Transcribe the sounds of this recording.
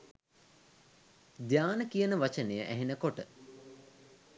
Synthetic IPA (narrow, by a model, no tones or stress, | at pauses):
d̪jaːnəkijənəʋat͡ʃənejəʔæɦenəkoʈə